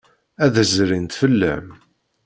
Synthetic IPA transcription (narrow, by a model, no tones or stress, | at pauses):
æðəzɾint̪fəlːə̰m